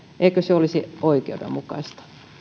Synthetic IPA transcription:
ʔeikøseolisioikḛudḛmukɑ̰ist̪ɑ̥

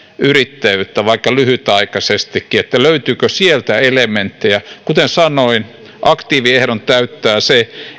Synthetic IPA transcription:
yrit̪ːæjyt̪ːæʋɑikːɑlyhyt̪ɑikɑsest̪ikːiet̪ːæløyt̪yːkøsielt̪æelement̪ːijɑkut̪ensɑnoin | ʔɑkt̪iːʋiehɾont̪æyt̪ːæːse

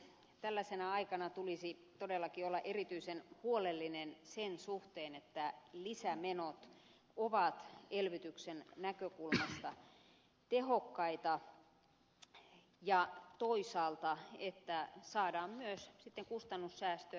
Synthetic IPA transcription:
t̪ælːæsenæɑikɑnɑt̪ulisit̪odelːɑkiolːɑʔerit̪yisenhuolelːinensensuht̪eːnet̪ːælisæmenot̪ | oʋɑt̪elʋyt̪yksennækøkulmɑst̪ɑ | t̪ehokːɑit̪ɑ | jɑt̪oisɑːlt̪ɑet̪ːæsɑːdɑːmmyøssit̪ːeŋkust̪ɑnːussæːst̪ø

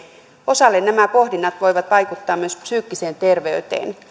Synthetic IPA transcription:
o̞sɑlːennæmæpo̞hdinːɑt̪ʋo̞jʋɑt̪ʋɑjkut̪ːɑːmyøspsyːkːise̞ːnt̪e̞rʋe̞yt̪e̞̰ːn

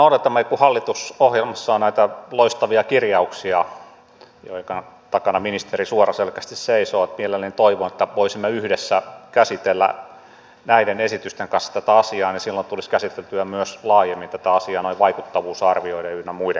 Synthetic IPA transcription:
noˑudɑt̪ːɑmːɑikuhɑlːit̪usohjelmɑsːɑːnnæit̪æloist̪ɑʋiɑkirjɑuksiɑ | jo̰ikɑn | t̪ɑkɑnɑminist̪erisuorɑselkæst̪isseisoːɑt̪mielelːenint̪oiʋonet̪ːæʋoisimːeyhdesːækæsit̪elːæ̰ | næidenesit̪yst̪eŋkɑnsːɑ̥t̪æt̪æɑsiɑːnisilːont̪uliskæsit̪elt̪yæmyøslɑːjemːint̪æt̪æɑsiɑːnoiʋʋɑikut̪ːɑʋuːsɑrʋioideynemuidḛ

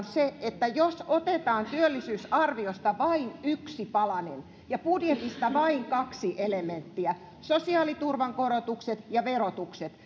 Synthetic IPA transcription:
nseet̪ːæjosot̪et̪ɑːnt̪yølːisyːsɑrʋiost̪ɑʋɑinyksipɑlɑnen | jɑpudjet̪ist̪ɑʋɑiŋkɑksiʔelement̪ːiæ | sosiɑːlit̪urʋɑŋkorot̪ukset̪jɑʋerot̪ukset̪

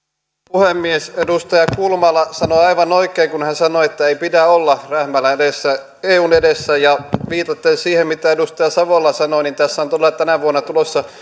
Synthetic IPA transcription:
puhemːiesedust̪ɑjɑkulmɑlɑsɑnoɑiʋɑnoikːˑeːŋkunhænsɑnoet̪ːæeipidæolːɑræhmælːæeesːæ | eːuːnedesːæjɑʋiːt̪ɑt̪ːensiːhemmit̪æedust̪ɑjɑsɑʋolːɑsɑnonint̪æsːæont̪olːˑɑt̪ænæʋuonːɑt̪ulosːɑ

